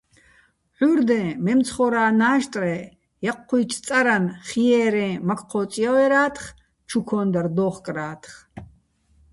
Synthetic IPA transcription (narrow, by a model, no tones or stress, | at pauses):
ħʷurd̪ɛ̃mɛmt͡sʰχɔɾaːnaːʃt̪ʼrɛ | jaqʰːujt͡ʃʰt͡sʼaɾanχijɛːɾɛ̃makʰʼqʰɔːt͡sʼijawɛɾaːt̪ʰχ | t͡ʃʰukʰɔnd̪ard̪ɔːχkʼraːt̪ʰχ